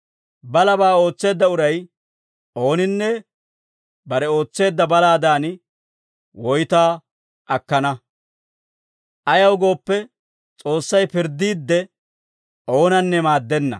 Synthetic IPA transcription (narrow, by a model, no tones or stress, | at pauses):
bɐlɐbaːo̞ːt͡sːe̞ːd̪ːɐʊɾɐj | o̞ːnɪnːɛ | bɐɾɛo̞ːt͡sːe̞ːd̪ːɐbɐlaːd̪aːn | wɔjt̪aː | ʔɐkːɐnɐ | ʔɐjɐwʊɡo̞ːpːɛ | t͡sʼo̞ːsːɐjpɪɾd̪iːd̪ːɛ | ʔo̞ːnɐnːɛmaːd̪ːɛnːɐ̰